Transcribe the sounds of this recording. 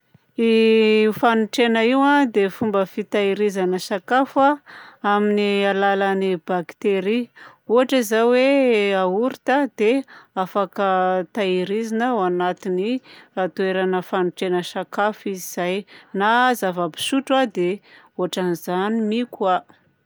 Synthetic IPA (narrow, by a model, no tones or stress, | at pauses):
ifanuʈ͡ʂenəiwad̪efumbəfit̪aiɾizanəsakafaaminialalanibakt̪eɾi | uɦaʈ͡ʂizajweauɾit̪ad̪eafakət̪aiɾizinəwanat̪iniat̪ueɾanəfanuʈ͡ʂenəʃakafiziz̥ajnazavabi̥suʈ͡ʂad̪e | uaʈ͡ʂanizanimikwa